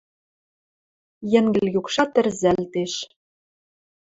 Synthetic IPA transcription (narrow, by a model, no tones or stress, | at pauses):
jɘ̆ŋɡɘ̆lʲjukʃɑt̪ɘ̆rzælt̪eʃ